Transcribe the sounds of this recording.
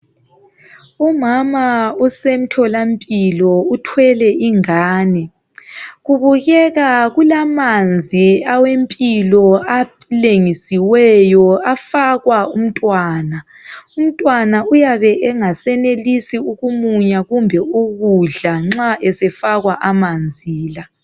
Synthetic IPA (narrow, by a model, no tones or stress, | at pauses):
umamausem̩tʰɔlampʼilɔutʰwɛlɛʔiŋaːnɛ | ɣuβuɣɛɣaɣulamand͡zʱiawempʼilɔa | leŋisiwɛjɔafaɣwaum̩tʼwaːna | um̩tʼwanaujaβɛʔɛŋasɛnelisiuɣumuɲaɣumbʱɛuɣuɮaŋ͡ǁaʔɛsɛfaɣwaʔamand͡zʱiːla